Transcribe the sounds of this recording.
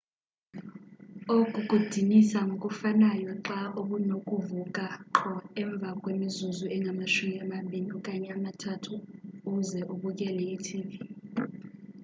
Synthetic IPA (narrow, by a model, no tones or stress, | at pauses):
ok̬ʼuɡ̥ʱud̥ʱinisaŋʱokʼufanajɔǁaʔoɓunokʼuvukʼaǁʰɔɛɱb̪vʱakʼwemizuzuɛŋɡʱamaʃumiamaɓʱiniukʼaɲɛamatʰatʰuːzɛʔuɓuk̬ʼɛlɛitʰiːɓi